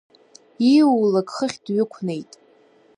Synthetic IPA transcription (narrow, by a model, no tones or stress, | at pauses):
iulakʼχəχʲdɥɪkʷʰne̞jtʼ